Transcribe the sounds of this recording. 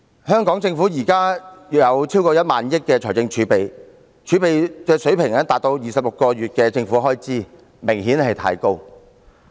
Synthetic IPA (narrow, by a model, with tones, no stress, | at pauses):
hœː˥ŋkɔː˨˥ŋt͡sɪ˧ŋfuː˨˥jiː˨˩kaː˥jɐ˨˧wt͡sʰiː˥wkɔː˧jɐ˥t̚maː˨njɪ˥k̚kːɛː˧t͡ʃʰɔː˨˩t͡sɪ˧ŋt͡ʃʰyː˨˥pe˨j | t͡ʃʰyː˨˥pe˨jkɛː˧sɵ˨˥pʰɪ˨˩ŋɛː˥t̪aː˨t̚t̪o˧wjiː˨sɐ˨p̚lʊ˨kːɔː˧ɥyː˨t̚kɛː˧t͡sɪ˧ŋfu˨˦˥ɦɔː˥jt͡siː˥ | mɪ˨˩ŋhiː˨˥nhɐ˨jt̪ʰaː˧jko˥w